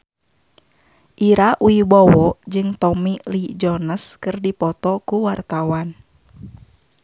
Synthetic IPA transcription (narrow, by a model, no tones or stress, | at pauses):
ʔiɾaʔuibɔwɔʔd͡ʒɨŋt̪ɔmilid͡ʒɔnəskɨrdipɔt̪ɔkuwart̪awan